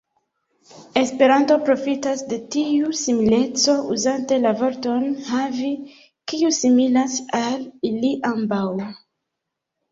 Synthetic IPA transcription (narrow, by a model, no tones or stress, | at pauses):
e̞spe̞ɾanto̞pɾo̞fitasde̞tiusimile̞t͡so̞uzante̞lavo̞ɾto̞nhavi | kiusimilasaliliʔambaw